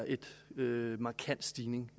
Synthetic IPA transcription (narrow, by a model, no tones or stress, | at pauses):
ʔe̝d̥ømɑ̈ːkʰæn̰d̥sd̥iːne̝ŋ